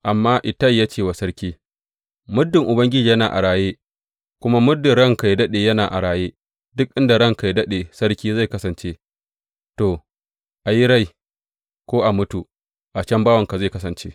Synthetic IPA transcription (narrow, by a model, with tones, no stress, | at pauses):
ʔa˨mːaː˦ʔɪ˨tɐ˦jaː˦t͡ʃeː˦˨wa˨sɐ˦ɾkʲiː˦ | mʊ˦dːɪ˨ŋʔʊ˨bɐ˦ŋɡʲɪ˦d͡ʒiː˨jɐ˦naː˨ʔa̰˨ɽaː˨jeː˦ | kʷʊ˦ma˦mʊ˦dːɪ˨nɽɐ˦˨ŋka˨jdɐ˦ɗeː˨jɐ˦naː˨ʔa̰˨ɽaː˨jeː˦ | dʊ˦k̚ʔɪ˦nda˨ɽɐ˦ŋka˨jdɐ˦ɗeː˨sɐ˦ɽkʲiː˦za˦˨jkɐ˦sɐ˨nt͡ʃeː˦ | toː˨ | ʔa˨ji˦ɽa˦˨j | kʷoː˦ʔa˨mʊ˦tu˨ | ʔa˨t͡ʃɐ˦mbaː˦wɐ˨ŋka˨za˦˨jkɐ˦s̬ɐ˨nt͡ʃḛː˦